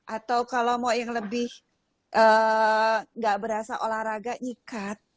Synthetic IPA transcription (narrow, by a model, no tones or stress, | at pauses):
ʔat̪awkalomojaŋləbɪh | ʔəː | ŋɡaʔbəɾɦasaʔolahɾaɡaʔɲikat̪̚